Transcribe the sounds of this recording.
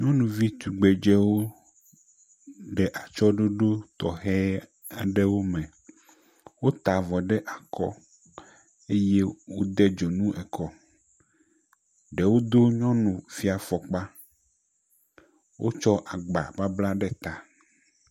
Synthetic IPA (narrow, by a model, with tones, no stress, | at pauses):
ɲɔ̃˦nũ˨vi˦t̪u˨ɡ͡be˨d͡ʒɛ˦wo˦ | ɖɛ˨ʔa˨t͡ʃɔ˦ɖo˦ɖo˦t̪ɔ˨ɦɛ˦ | a̰˨ɖe˦wo˦mɛ̃˨ | wo˦t̪a˨vɔ˨ɖɛ˦ʔa˨kɔ̰˦ | e˦je˦wo˦d̪ɛ˦d͡ʒo˨nũ˦ʔɛ˨kʰɔ˦ | ɖɛ˨wo˦d̪o˦ɲɔ̃˦nũ˨fi˦a˨fɔ˨k͡pa˦ | wʔo̰˦t͡ʃɔ˦ʔa˨ɡ͡ba̰˨ba˦bla˦ɖɛ˦t̪a˨